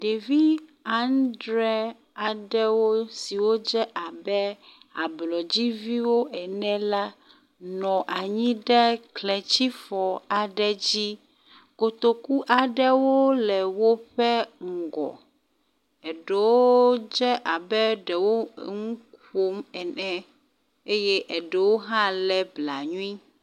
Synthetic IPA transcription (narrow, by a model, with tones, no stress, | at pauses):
ɖe˨vi˦a˦ndɾɛ˦ | a˨ɖɛ˦wo˦si˨wo˦d͡ʒɛ˦ʔa˨bɛ˦a˨blɔ˨d͡ʑi˦vi˦wo˦ɛ˨nɛ̃˦la˦ | nɔ̃˨ʔa˨ɲĩ˦ɖɛ˦klɛ˨t͡ɕi˦fɔ˨a˨ɖɛ˦d͡ʑi˦ | ko˨t̪o˨ku˦ʔa˨ɖɛ˦wo˦lɛ˨wo˦ɸɛ˦ŋ̩˨ɡɔ̰˨ | ɛ˨ɖɛ˨wo˦d͡ʒɛ˦ʔa˨bɛ˦ɖɛ˨wo˦ŋũ˦k | o˦mɛ˨nɛ̃˦ | e˦jɛ˦ʔɛ˨ɖɛ˨wo˦ɦã˦lɛ˦bla˨ɲũ˦i˦